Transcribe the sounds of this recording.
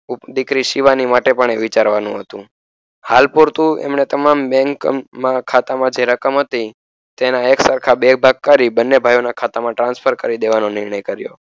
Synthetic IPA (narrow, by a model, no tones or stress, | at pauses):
ud̪ikɾiʃiʋanimaʈepəɳeʋɪt͡ʃaɾʋanũɦət̪ũ | halpoɾt̪ũḛmɳet̪əmambɛ̃ŋkmãkʰat̪amãd͡ʒeɾəkəmɦət̪i | t̪enaeksəɾkʰabebʱaɡ̚kaɾibənːebʱajonakʰat̪amãʈɾãnspʰəɾkəɾid̪eʋanonɪɾɳəjkəɾjo̰